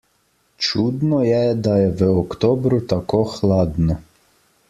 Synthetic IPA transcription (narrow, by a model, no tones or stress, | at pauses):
t͡ʃud̪nɔjɛd̪ajɛʋəɔkt̪ɔbɾʊt̪akoxlˠad̪nɔ